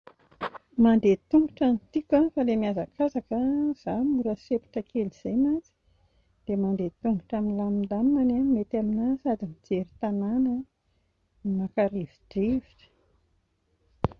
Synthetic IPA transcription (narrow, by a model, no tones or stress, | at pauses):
mand̪et̪uŋɡuʈ͡ʂanit̪ikʲafalemiazakazakəz̥amuɾəsepi̥ʈ͡ʂəkeliz̥ajmant͡si̥ | d̪̥emand̪et̪uŋɡuʈ͡ʂaminlamind̪amːanamet̪aminasad̪imid͡zeɾit̪ananə | nimakaɾevi̥deviʈ͡ʂə̥